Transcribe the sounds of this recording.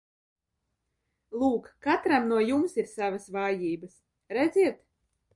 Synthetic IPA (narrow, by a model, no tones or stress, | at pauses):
lˠuːkːat̪ɾamnuɔjumsiɾsavasvaːjiːbɐs | ɾɛd̪ziɛt̪